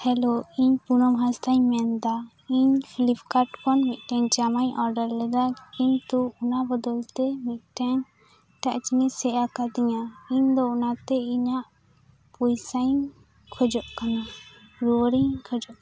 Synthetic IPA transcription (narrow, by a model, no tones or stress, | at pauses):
hɛloiɲpunɔmɦãst̪aɲmɛnd̪a | iɲfʰilipʰkaɾʈkɔnmit̪̚ˀʈɛɲd͡ʒamaɲʔɔɾɖəɾlɛd̪akiɲt̪uunabɔd̪ɔlt̪ɛmit̪̚ˀʈɛɲ | ʈaʔt͡ʃiɲɛsɛʔakad̪iɲaiɲd̪ɔunat̪ɛiɲaʔ | pujsaj | kʰɔd͡ʒɔʔkanaɾuɾiɲkʰɔd͡ʒɔʔ